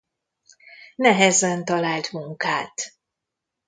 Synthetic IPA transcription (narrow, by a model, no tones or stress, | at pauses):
nɛɦɛzɛnt̪ɒlaːlt̪muŋkaːt̪